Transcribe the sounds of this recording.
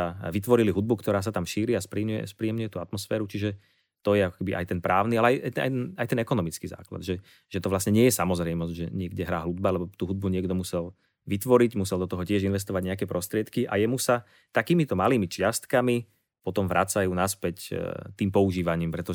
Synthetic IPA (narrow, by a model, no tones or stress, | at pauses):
aʋit̪ʋɔɾiliɦud̪̚bukt̪ɔɾaːs̬at̪amʃiːɾiaspɾiːɲujɛ̰spɾiːjɛmɲʊjɛt̪uat̪mɔsfɛːɾut͡ʃiʒɛ | t̪ɔjɛakɔ̥kɛbiʔa̰jt̪ɛnpɾaːʊnialɛajʔaa̰jɛnajt̪ɛnɛkɔnɔmit͡skiza̰ːkla̰d̪ʒɛ | ʒ̥ɛt̪ɔʋlasɲɛɲɪɛjɛsamɔzɾɛjmɔzʒɛɲɪɛɡɟɛɦɾaːɦlud̪̚balɛbɔt̪uːɦud̪̚buɲɪɛɡd̪ɔmusɛl | ʋit̪ʋɔɾiɟmusɛld̪ɔt̪ɔɦɔcɪɛʒinʋɛs̬t̪ɔʋaɟɲɛakɛpɾʔɔst̪ɾɪɛt̪kiʔa̰jɛmusa | t̪akiːmit̪ɔmaliːmit͡ʃɪast̪kami | pɔt̪ɔmʋɾʔat͡sajuːnaspɛct̪iːmpɔuʒiːʋaɲiːmpɾɛt̪ɔ